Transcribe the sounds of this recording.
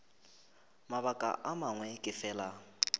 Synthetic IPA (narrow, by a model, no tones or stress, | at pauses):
maβakʼa̰ʔamaŋwɛkʼɪfɛːla